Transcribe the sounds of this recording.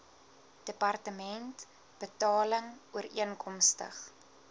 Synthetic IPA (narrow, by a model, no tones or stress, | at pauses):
d̥əpɐrtəmɛnt | b̥ətɑːləŋuəɾiənkɔmstə̰χ